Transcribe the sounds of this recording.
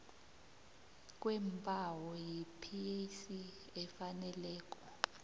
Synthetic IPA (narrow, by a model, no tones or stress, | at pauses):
k̬ʼwɛmpʼawɔjipʰiesi | ɛfanɛlɛːk̬ʼɔ